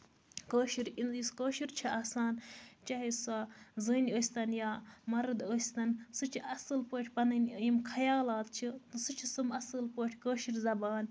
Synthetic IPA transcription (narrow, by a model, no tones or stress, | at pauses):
koːʃiɾiniskoːʃiɾʲt͡ʃʰiʔaːsaːnt͡ʃɐɦisazɨːnʲoːsʲt̪ɐnjaːmɐɾɨd̪oːsʲt̪ɐnsɨt͡ʃʰiʔɐsɨlpoːʈʰʲpɐnɐnʲjimkʰɐjaːlaːt̪̚t͡ʃʰit̪ɨsɨt͡ʃʰisɨmɐsɨlpoːʈʰʲkoːʃiɾzɐbaːn